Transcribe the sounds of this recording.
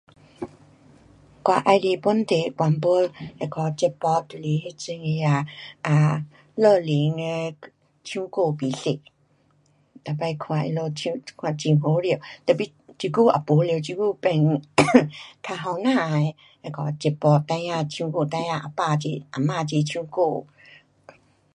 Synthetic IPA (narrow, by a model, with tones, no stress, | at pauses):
kwa˧ʔa˧jli˧˨pu˧˦nt̪e˨kwa˧˨npo˧˦le˧˨kɔ˨˧˦t͡ɕe˧˩pɔ˧t̪u˨le˨he˧t͡si˧ŋe˧a˧˩ʔa˨ | lə˧˨li˨˦ŋe˧ | t͡ɕʰũ˧˦ko˥˧˨pi˨ɬe˨ʔ | t̪a˨pa˧jkʰw̃ã˨ʔḛ˧lo˧t͡ɕʰũ˧˦kʰwã˨t͡ɕi˧˨ɦo˨˦ɾt̪ə˨pi˧˦t͡ɕi˧ku˦˨a̰˨po˨˦le˧˨t͡ɕi˧ku˦pɛ˧˨n | kʰa˧ɦɔ˧nã˥˧˨e˧ | e˧˨kɔ˧˨t͡ɕe˧˩pɔ˧t̪ã˧jã˧t̪ʰjũ˧ko˧˨t̪ã˧jã˧ʔa̰˨pa˧˨t͡ɕe˧˨ʔa˨mã˧˨t͡ɕe˧˨tʰjũ˦ko˥˧˨